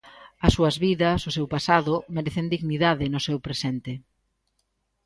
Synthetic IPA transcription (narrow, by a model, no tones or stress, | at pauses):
ɐsːuɐzβiðɐsʊsewpasaðʊmeɾeθend̪iɣniðaðɪnʊsɛwpɾesent̪ɪ